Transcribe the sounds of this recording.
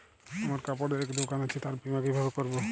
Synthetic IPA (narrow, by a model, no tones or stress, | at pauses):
amaɾkapɔɾd̪eɾɛkd̪okanat͡ʃʰit̪aɾpimakejbʱabekɔɾbo